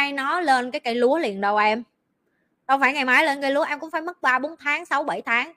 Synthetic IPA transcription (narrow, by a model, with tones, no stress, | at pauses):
a˧jnɔ˨˦le˧nkaː˨˦jka˧˩jlu˨˦əlḭ˨˩ənɗə˨˧wʔɛ˧m | ɗɔ˧wŋ͡mfaː˧˩jŋa˨˩jmaː˨˦jleː˧nkə˧jlu˨˦ə˦ʔɛ˧mkʊ̰˧˥ŋ͡mfaː˧˩jmə˦˥t̚ɓaː˧ɓo˨˦nt̪ʰaː˨˦ŋsa˨˦wɓə˧˩jt̪ʰaː˨˦ŋ